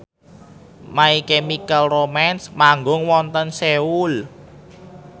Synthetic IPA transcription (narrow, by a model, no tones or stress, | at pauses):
maikemikalromɛnsmaŋɡʊŋwɔnt̪ənseul